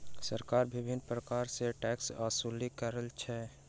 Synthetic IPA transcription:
səɾkaːɾbɪbʱɪnpɾəkaːɾseʈɛːksaːsulikəɾəlt͡ʃʰɛ

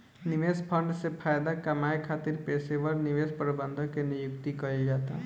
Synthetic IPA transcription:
nɪʋeːspʰə̃ɳɖsepʰaːjd̪akɐmaːekʰaːt̪ɪɾpeːseʋəɾnɪʋespəɾbə̃nd̪ʱõkenɪjʊkt̪ikɐɾid͡ʒaːt̪a̰

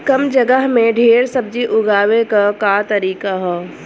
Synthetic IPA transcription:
kɐmd͡ʒɐɡəɦmẽɖʱeːɾsɐb̚d͡ʒiʔʊɡaːʋekakat̪ɐɾiːkaɦɛː

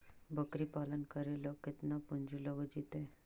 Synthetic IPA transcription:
bəkɾiːpalənkəɾeləkit̪napuɲd͡ʑiləɡəd͡ʑit̪ẽ

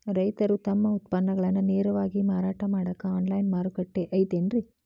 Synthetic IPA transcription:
ɾɐjt̪ɐɾut̪ɐmːɐut̪pɐnːɐɡɐɭɐnːuneːɾɐʋaːɡimaːɾaːʈɐmaːɽɐkːɐaːnlɐjnmaːɾukɐʈːeʔɐjt̪enɾi

